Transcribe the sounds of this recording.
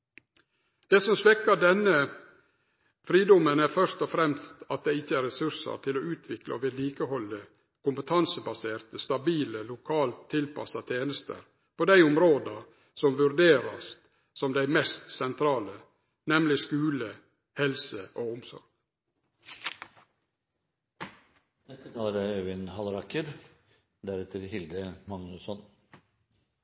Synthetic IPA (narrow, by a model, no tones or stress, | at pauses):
d̪̥eːsɔmsʋɛkːɑɖɛnə | fɾiːd̪ɔmənæɾfœʂt̪ɔfɾɛmst̪ɑt̪̚d̪ɛɪçːəæɾɛsʉʂə̰ɾt̪ʰɪloːʉːt̪ʰʋɪklɑ̰oʋɪliːkəhɔlːə | kʊmpət̪ʰɑnsəbɑseːɾt̪əst̪ɑbiːləlʊkʰɑːlt̪ʰːɪlpɑ̰sɑt̪ʰeːnəst̪ə̰ɾ | pʰoːd̪æɪʊmɾoːd̪ɑɾ | sɔmʋʉɾd̪eːɾɑst̪ | sɔmd̪æɪmɛst̪sɛnt̪ʰɾɑːlə | nɛmlɪskʉːlə | hɛlsəʔoːʊmsɔ̰ɾɡ̥ | d̪ɛt̪ːət̪ʰɑːəɾəøʋɪnhɑlɾɑkəɾ | d̪æɾɛt̪ʰəɾhɪld̪əmɑŋnʉsɔn